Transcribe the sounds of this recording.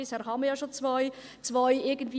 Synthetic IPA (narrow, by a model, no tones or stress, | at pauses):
ɪshɛːɾɦɑməjɑːʃot͡svaɪ | t͡svaɪɪɡən̩d̥viː